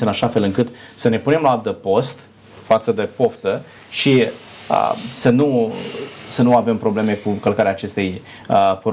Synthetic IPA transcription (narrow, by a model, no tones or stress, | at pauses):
seənaʃafe̞lɨŋkɨt̪səne̞pune̞mlaalt̪əpo̞st̪ | fat̪səd̪epo̞ft̪ə | ʃi | ə̰sənu | sənuave̞mpɾo̞ble̞me̞kukəlkaɾeaːt͡ʃe̞st̪ej | p